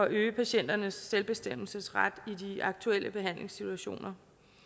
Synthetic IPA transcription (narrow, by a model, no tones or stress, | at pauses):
ɒʔøːpʰæɕen̰d̥ɐnəsːelb̥e̝sd̥em̰l̩səsʁad̥idiɑ̈ɡ̥̚t͡sʰuel̰əb̥e̝ɦæn̰le̝ŋsit͡sʰuæɕo̝̰ːnɐ